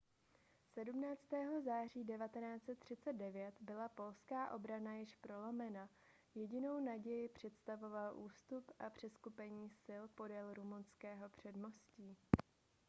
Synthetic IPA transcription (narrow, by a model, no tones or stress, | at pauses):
sɛdumnaːt͡st̪ɛːɦo̞zaːr̝iːdɛvat̪ɛnaːt͡sɛt̪ːr̝̥ɪt͡sɛd̪̚dɛvjɛt̪bɪlapo̞lskaːʔo̞bɾanajɪʃpɾo̞lomɛna | jɛɟɪno̞wnaɟɛjɪpr̝̥ɛt̪st̪avo̞valʔuːst̪upʔapr̝̥ɛskupɛɲiːsɪlpo̞dɛlɾumunskɛːɦo̞pr̝̥ɛdmosciː